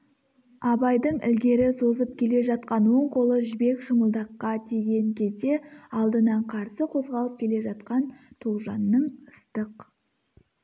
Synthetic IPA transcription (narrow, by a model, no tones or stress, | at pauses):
ɑbɑjd̪əɴɪ̰lɡʲe̞ɾɪso̞zəp̚kʲʰe̞le̞ʒɑt̪̚qɑnwo̞ɴqʰo̞lˠəʒɪbe̞kʃəməlˠd̪ɑqːɑt̪ʰeɡʲe̞ŋkʲʰe̞zd̪e̞ɑlˠd̪ənɑɴqʰɑɾsəqʰo̞zʁɑlˠəp̚kʲʰe̞le̞ʒɑt̪̚qɑnt̪ʰolˠʒɑnːəɴəst̪əq